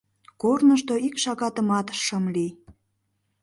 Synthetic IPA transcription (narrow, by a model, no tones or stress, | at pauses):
kornəʃt̪oikʃɑɣɑt̪əmɑt̪ʃəmli